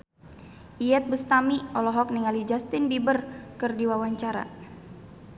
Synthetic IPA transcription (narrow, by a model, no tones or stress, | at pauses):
ʔiɛt̪̚bust̪amiɔlɔɦɔk̚niŋalid͡ʒast̪ɪnbibərkɨrdiwawaɲt͡ʃaɾa̰